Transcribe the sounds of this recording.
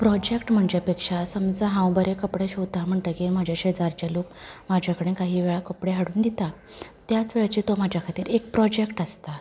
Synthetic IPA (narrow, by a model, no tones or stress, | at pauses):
pɾɔd͡ʑekʈm̤əɳd͡ʑapekʂasəmd͡zaɦãw̃bəɾekəpɽeɕowt̪am̤əɳʈ̪əkemad͡ʑʱjaɕed͡zaɾt͡ɕalok̚mad͡ʑʱjakəɽ̃ẽkaɦiːʋeɭakəpɽeɦaɽuːnd̪it̪a | t̪jat͡sʋeɭat͡ɕit̪omad͡ʑʱjakʰat̪iːɾek̚pɾɔd͡ʑekʈəst̪a